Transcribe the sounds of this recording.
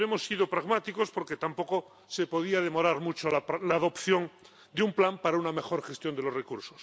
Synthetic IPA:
emo̞sːiðo̞pɾaɣmat̪iko̞spo̞ɾke̞t̪ampo̞ko̞ | se̞po̞ð̞iað̞e̞mo̞ɾaɾmut͡ʃoalaːðo̞pθjo̞ŋ | d̪eumplampaɾauname̞xo̞ɾxe̞st̪jo̞nd̪e̞lo̞srekuɾso̥s

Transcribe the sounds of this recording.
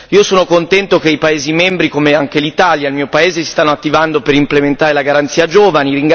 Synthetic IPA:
iːosoːnokont̪ɛnt̪okeipaeːzimembɾikomeaŋkelit̪aːljaelmiːopaeːzesi̥st̪anːoat̪ːivand̪opeɾimplement̪aːɾelaɡaɾant̪siːad͡ʒoːvaniɾiŋɡ

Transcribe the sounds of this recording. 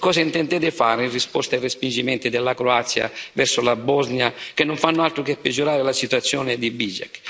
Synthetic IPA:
kɔːzaint̪ɛnt̪ɛd̪ɪfaːɾinrispɔst̪ajrespind͡ʒimɛnt̪ɪd̪ɪlːakɾoat̪sːja̰vɛɾsʊlabɔznjak̟enːʊɱfanːʊalt̪ɾʊkepːɪd͡ʒːuɾaːɾɪlasit̪uat̪sːjɔːnɪd̪ibiza̰k

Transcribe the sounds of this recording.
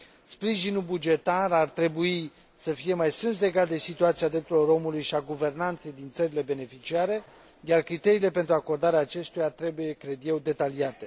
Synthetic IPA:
spɾiʒinulbud͡ʒe̞t̪arart̪ɾe̞bui | səfije̞majsɨnsle̞ɡat̪̚d̪e̞sit̪uat̪siad̪ɾe̞p̚t̪uloɾo̞mulujʃiaɡuve̞rnant̪se̞jd̪int̪səɾile̞be̞ne̞fit͡ʃiaɾe̞ | jarkɾit̪e̞ɾiːle̞pe̞nt̪ɾuako̞rd̪aɾeaːt͡ʃe̞st̪ujat̪ɾe̞buje̞kɾe̞d̪je̞wd̪e̞t̪aliat̪e̞

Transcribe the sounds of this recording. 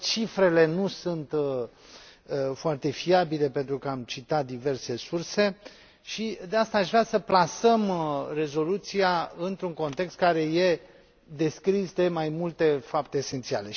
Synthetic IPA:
t͡ʃifɾe̞le̞nusunt̪ | foart̪e̞fiabile̞pe̞nt̪ɾukəamt͡ʃit̪at̪̚d̪ive̞rse̞surse̞ | ʃid̪e̞ast̪aːʃvɾasəplasəmre̞zo̞lut̪sijaɨnt̪ɾuŋko̞nt̪e̞kst̪̚kaɾe̞je̞ | d̪e̞skɾisd̪e̞majmult̪e̞fap̚t̪e̞ːse̞nt̪sia̰le̞

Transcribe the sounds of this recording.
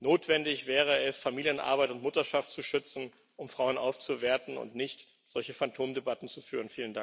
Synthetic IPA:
noːtv̥ɛndɪçv̥ɛːʁ̞əɛsfamiːljənʔa̰ɐbaɪtʊntmʊtɐʃaftt͡suʃʏt͡sn̩ | ʔʊmfʁ̥aʊənʔaʊft͡suveːɐtn̩ʊ̰ntnɪçt | z̥ɔlçəfantʰoːmdebatn̩t͡sufyːʁ̞ənfiːləndaŋ

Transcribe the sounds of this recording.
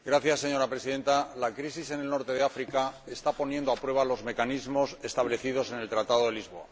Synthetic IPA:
ɡɾaθjasːe̞ɲo̞ɾapɾe̞siðe̞nt̪alakɾisise̞nelno̞ɾt̪e̞ðe̞afɾikae̞st̪apo̞njend̪oapɾwe̞βalo̞zme̞kanizmo̞se̞st̪aβle̞θiðo̞se̞ne̞lt̪ɾat̪aðo̞ðe̞lizβo̞a̰

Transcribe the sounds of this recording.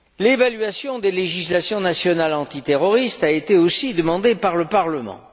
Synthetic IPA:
levalɥasjɔ̃d̪eleʒislasjɔ̃nasjɔnalɑ̃t̪it̪eʁɔʁist̪aet̪eosid̪əmɑ̃d̪epaʁləpaʁləmɑ̰̃

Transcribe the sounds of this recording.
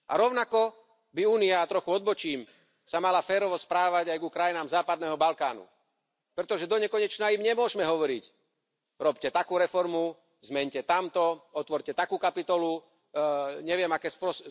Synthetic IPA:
ʔa̰ɾɔʊnakɔ | biuːniat̪ɾɔxuɔd̪̚bɔt͡ʃiːm | samalafɛːɾɔʋɔspɾaːʋaɟajɡukɾajinaːmzaːpad̪nɛɦɔbalkaːnṵ | pɾɛt̪ɔʒɛd̪ɔɲɛkɔɲɛt͡ʃnaimɲɛmʊɔʒmɛɦɔʋɔɾic | ɾɔpcɛt̪akuːɾɛfɔɾmu | zmɛɲcɛt̪amt̪ɔɔt̪ʋɔɾcɛt̪akuːkapit̪ɔlu | ɲɛʋɪɛmakɛːspɾɔs

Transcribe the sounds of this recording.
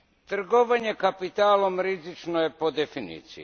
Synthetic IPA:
t̪r̩ɡoʋaɲe̞kapit̪aːlo̞mɾizit͡ʃnoje̞po̞d̪efinḭːt̪sḭ

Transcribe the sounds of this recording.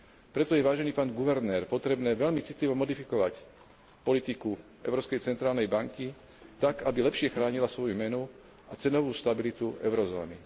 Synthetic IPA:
pɾɛt̪ɔjɛʋaːʒɛniːpaːnɡuʋɛɾnɛːɾpɔt̪ɾɛbnɛːʋɛlmit͡sit̪liʋɔmɔd̪ifikɔʋac | pɔlit̪iku | ɛ̰ʊɾɔːpskɛjt͡sɛnt̪ɾaːlnɛjbaŋki | t̪akabilɛpʃɪɛxɾaːɲilasʋɔjumɛnu | at͡sɛnɔʋuːst̪abilit̪uɛ̰ʊɾɔzɔ̰ːnḭ

